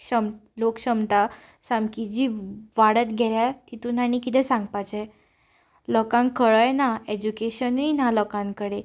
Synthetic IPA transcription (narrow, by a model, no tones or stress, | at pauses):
ɕəmlokɕəmt̪a | sãmkid͡ʑiːʋaɽət̪ɡʱɛɾjat̪it̪un̤aɽ̃ĩkit̪ʰɛ̃sãŋɡpat͡ɕɛ | lɔkãŋkʰəɭəjnaed͡ʑukeɕənujnalɔkãŋkəɽe